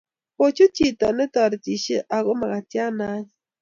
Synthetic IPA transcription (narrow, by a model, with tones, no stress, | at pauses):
po˦t͡ʃu˦t͡ʃi˦˨tɔ˨nɛ˦tɔ˨ɾti˨ʃe˦ʔa˨ɣo˦ma˨ɣa˨tja˦na˦ɲ˦